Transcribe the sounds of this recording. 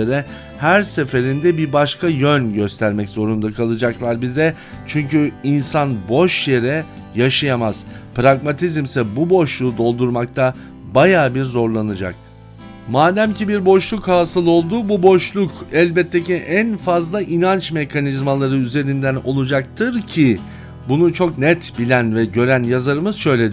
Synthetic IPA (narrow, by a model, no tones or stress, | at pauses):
eɾɛ | hæɾse̞fe̞ɾind̪ɛbiɾbaʃkʰajønɟø̞st̪ʰæɾmɛczo̞ɾund̪akʰalˠɯd͡ʒaklˠaɾbizɛ | t͡ʃʰyɲcyinsanbo̞ʃjeɾɛ | jaʃajamaz̥pɾaɡmat̪ʰizmsɛbubo̞ʃlˠuːd̪o̞lˠd̪uɾmak̚t̪ʰa | bajaːbiɾzo̞ɾlˠanɯd͡ʒa̰k̚ | maːd̪æmcibiɾbo̞ʃlˠukhaːsɯlˠo̞lˠd̪ububo̞ʃlˠukɛlʲbɛt̪ʰːeciʔænfazlˠaʔinant͡ʃme̞kʰanizmalˠaɾɯyze̞ɾind̪æno̞̰lˠud͡ʒak̚t̪ʰɯɾcʰi | bunut͡ʃʰo̞knɛt̪bilʲænvɛɟø̞ɾænjazaɾɯmɯz̥ʃø̞jlʲed̪